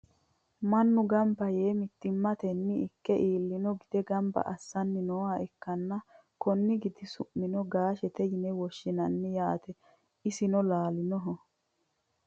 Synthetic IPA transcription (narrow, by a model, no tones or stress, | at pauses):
mɐnːʊɡɐmbɐje̞ːmɪt̪ːɪmːɐt̪ɛnːɪɪkːɛʔiːlːɪnɔɡɪd̪̥ɛɡɐmbɐ̰ʔɐsːɐnːɪnoːaɛkːɐnːɐ | kɔnːɪɡɪd̪ɪsʊʔːɪnɔɡaːʃɛt̪ɛjɪnɛwɔʃːɪnɐnːɪjaːt̪ɛ | ɪsɪnɔlaːlɪnɔɦɔ